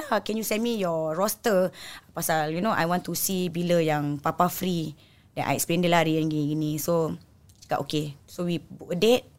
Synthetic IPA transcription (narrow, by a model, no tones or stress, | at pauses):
akɛ̃njusɛ̃nmijɔɹɔstəpasaljunoʔa̰jwɔ̃ntusibiləjaŋpapafɾi | dɛ̃nʔa̰jɛksplɛ̃ndəlaɾiə̃nɡiɡinĩso | t͡ʃə̥ka̰ʔokesowibuʔədet̚